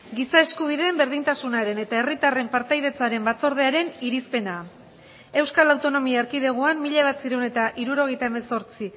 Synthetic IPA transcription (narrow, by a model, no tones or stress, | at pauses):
ɡisae̞skuβ̞iðe̞ːmbe̞ɾðint̪asunaɾe̞ne̞t̪ae̞rit̪are̞mpaɾt̪ajðe̞t͡saɾe̞mbat͡so̞ɾð̞e̞aɾe̞niɾispe̞na | e̞wskalawt̪o̞no̞miaːɾkið̞e̞ɣ̞oanmiʎaβat̪siɾewne̞t̪aʔiɾuɾo̞ɣjt̪aeme̞so̞ɾt͡si